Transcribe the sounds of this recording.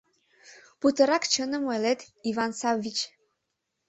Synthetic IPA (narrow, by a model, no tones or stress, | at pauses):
put̪əɾɑkt͡ɕənə̆melet̪ivɑnsɑvːit͡ɕ